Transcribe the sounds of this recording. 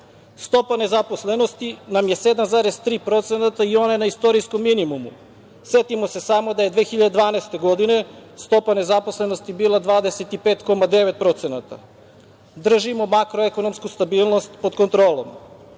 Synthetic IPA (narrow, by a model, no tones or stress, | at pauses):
st̪o̞pane̞zaposle̞no̞st̪inamje̞se̞d̪amzaɾezt̪ɾiːpɾo̞t̪senat̪aio̞naenaist̪o̞ɾisko̞mːinimumu | set̪imo̞se̞samo̞d̪ajed̪ʋexiʎad̪e̞d̪ʋaːnaest̪e̞ɡo̞d̪ine̞st̪o̞pane̞zapo̞slˠe̞no̞st̪ibiːlˠad̪ʋaːd̪e̞set̪ipeːt̪ko̞mad̪e̞ʋet̪̚pɾo̞t̪senat̪a̰ | d̪r̩ʒimo̞makɾoekono̞mskust̪abiːlˠno̞st̪pod̪ko̞nt̪ɾoːlo̰m